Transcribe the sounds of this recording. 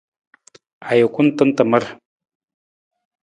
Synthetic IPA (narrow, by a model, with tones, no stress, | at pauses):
a˨ja˨kʷʼʊ˦ntə˦nta˨mə˦r